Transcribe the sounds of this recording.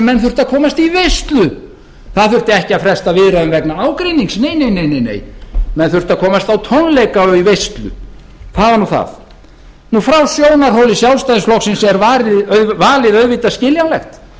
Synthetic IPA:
mɛnθʏr̥t̪aðkʰɔːmast̪ivejst̪lʏ | θaðθʏr̥t̪ɪɛhcɪaðfɾɛst̪avɪðɾaʏnvɛknaaːwkɾiniŋksneːjnejnejnejnḛːjmɛnθʏr̥t̪aðkʰɔːmast̪awt̪ʰɔnlejkaivejst̪lʏ̰ | θavanuθa̰θ | nufɾawsjoːwnaɾɦowlɪsjawlst̪ajðɪsflɔksɪnsɛɾvaːɾɪðœvaːlɪðœðvɪt̪ascɪljawlɛxt̪

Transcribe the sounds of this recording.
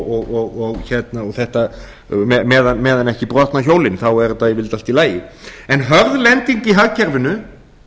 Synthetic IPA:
ɔɣɔɣɔɣçɛt̪naɔɣθɛht̪a | mɛmɛːðanmɛːðanɛhcɪpɾɔht̪naçowlɪnɪθawɛɾʏt̪aðivɪlt̪alt̪ilaːjɪɛnɦœɾðlɛnt̪iɲciɦaɣcʰɛɾvɪnːʏ

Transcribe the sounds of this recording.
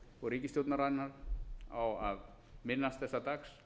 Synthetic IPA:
ɔɣɾiːcɪst̪jowt̪naɾajnaɾa̰wað | mɪnːast̪θɛsːat̪aks

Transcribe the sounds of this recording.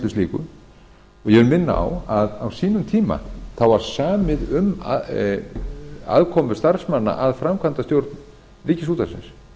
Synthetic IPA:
lʏst̪iːkʏ̰ | ɔɣjɛvʏɾmɪnːa̰a̰waðawsiːnʏmt̪ʰiːma̰θawvaɾ̥saːmɪðʏm | a̰ðkʰɔːmʏ̥st̪aɾ̥smanːa̰ʔaðfɾamkʰvant̪ast̪jowɾt̪n | ɾɪːcɪsuːt̪asɪ̰ns

